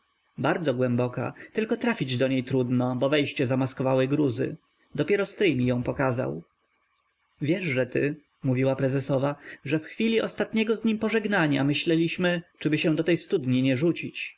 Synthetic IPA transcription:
baɾd̪zɔɡwɛmbɔka̰t̪ɘlkɔt̪ɾafʲid͡ʑd̪ɔɲejt̪ɾud̪nɔbɔvɛjɕt͡ɕɛzamaskɔvawɘɡɾuzɘ̰ | d̪ɔpʲjɛɾɔst̪ɾɘjmʲijɔ̃w̃pɔkaza̰w | vʲjɛʐʐɛt̪ɘ | muvʲiwapɾɛzɛsɔvaʐɛfxfʲilʲiʔɔst̪at̪ɲɛɡɔzɲimpɔʐɛɡnaɲa̰mɘɕlɛlʲiɕmɘt͡ʂɘbɘɕɛ̃d̪ɔt̪ɛjst̪ud̪ɲiɲɛʐut͡ɕit͡ɕ

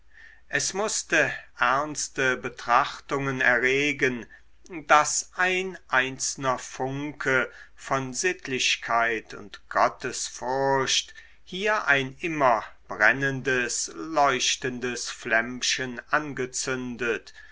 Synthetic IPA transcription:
ʔɛsmʊstəʔɛɐnstəbətʁ̥aχtʊŋənɛɐʁeːɡən | dasʔaɪnʔaɪnt͡snɐfʊŋkʰə | fɔnzɪtʰlɪɕkʰaɪtʊ̰ntɡ̥ɔtʰəsfʊɐɕt | hiːɐʔaɪnʔɪmɐb̥ʁɛnəndəslɔʏʃtəndəsflɛmʃənʔanɡət͡sʏndət

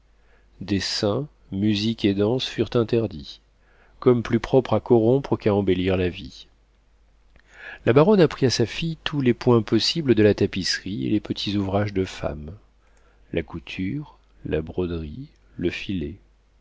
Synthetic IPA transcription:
d̪esɛ̃ | myziked̪ɑ̃sfyʁt̪ɛ̃t̪ɛʁd̪i | kɔmplypχɔpχakɔʁɔ̃pχəkaɑ̃beliʁlavi | lʔabaʁɔnapχiasafijt̪ʰulepwɛ̃pɔsibləd̪əlat̪apisʁiḛlepət̪ʰizuvʁaʒd̪əfa̰m | lʔakut̪ʰyʁ | labʁɔd̪ʁi | ləfile

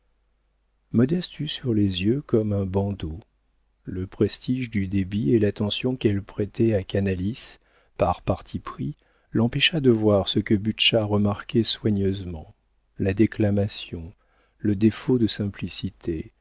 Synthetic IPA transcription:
mɔd̪ɛst̪fysyʁlezjøkɔmɛ̃bɑ̃d̪o | ləpχest̪iʒd̪yd̪ebielat̪ɑ̃sjɔ̃kɛlpχɛt̪ɛakanalis | paʁpaʁt̪ʰipχi | lɑ̃pɛʃad̪əvwaʁsəkəbyʃaʁəmaʁkʲɛswaɲøzmɑ̃ | lad̪eklamasjɔ̃ | ləd̪efod̪əsɛ̃plisit̪ʰe

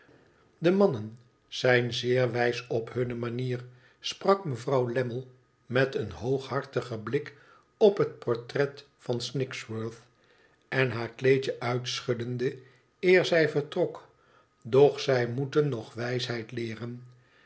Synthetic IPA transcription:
dəmɑnən | z̥ɛjnzɪːɹʋɛjsɔphɵnəmaniːr | sprɑkməvrɑwlɛməlˠ | mɛtənɦowχɦɑɹtəχəblɪk | ɔpɦət̚pɔɹtrɛt | fɑnsnɪkswøɹθ | ɛnɦaːɹklejt͡ʃəʔœɥtsχɵdəndə | ɪːɹzɛjvəɹtrɔk | dɔχsɛjmutənːɔχʋɛjsɦɛjtlɪːrən

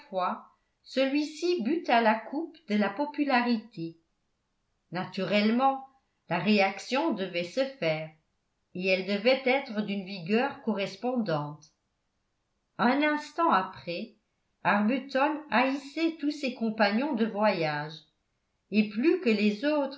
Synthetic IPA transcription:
fwa | səlɥisibyt̪alakʰupd̪əlapɔpylaʁit̪ʰe | nat̪yʁɛlmɑ̃ | laʁeaksjɔ̃d̪əvɛsəfɛːʁ | eɛld̪əvɛt̪ɛt̪χəd̪ynviɡœːʁkɔʁɛspɔ̃d̪ɑ̃t̪ | œ̃nɛ̃st̪ɑ̃apχɛ | aʁbyt̪ɔnaisɛt̪usɛkɔ̃paɲjɔ̃d̪əvwajaʒ | eplykəlɛzoːt̪χ

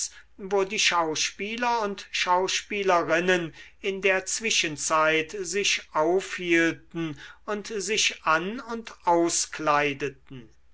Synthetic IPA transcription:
svoːdiːʃaʊʃpiːlɐʊntʃaʊʃpiːləʁɪnənɪndeːɐt͡sv̥ɪʃənt͡saɪtzɪʃʔaʊfhiːltn̩ʊntzɪʃʔanʊntʰʔaʊsklaɪdət̚n̩

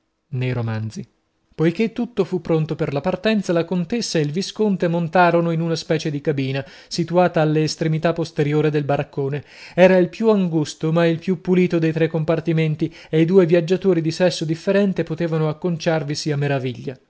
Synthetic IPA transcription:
nejɾomand̪zi | pojk̟et̪ːut̪ːofupːɾont̪operlapart̪ɛnt̪salakont̪esːaeilviskont̪emont̪aːɾonoinunaspɛːt͡ʃed̪ikabiːna | sit̪uaːt̪aːlːeːst̪ɾemit̪apːost̪eɾjoːɾed̪elbaɾakːoːne | ɛːɾailpjuaŋɡust̪omailpjupːuliːt̪od̪ejt̪ɾekːompart̪iment̪iejd̪uːevjad͡ʒːat̪oːɾid̪isɛsːod̪ifːeɾɛnt̪epot̪eːvanoakːont͡ʃarvisiamːeɾaviʎːa

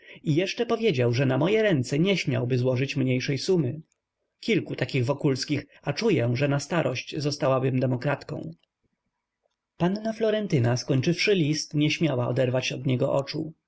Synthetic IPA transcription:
ijɛʂt͡ʂɛpɔvʲjed͡ʑawʐɛnamɔjɛɾɛnt̪sɛɲɛɕmʲja̰wbɘzwɔʐɘt͡ɕmɲejʂɛjsumɘ | kʲilkut̪akʲiɣvɔkulskʲix | at͡ʂujɛʐɛnast̪aɾʔɔɕt͡ɕzɔst̪awabɘmd̪ɛmɔkɾat̪kɔ̰̃w̃ | panːaflɔɾɛnt̪ɘnaskɔɲt͡ʂɘfʂɘlʲist̪ɲɛɕmʲawaɔ̰d̪ɛɾvat͡ɕɔd̪ɲɛɡɔʔɔt͡ʂṵ

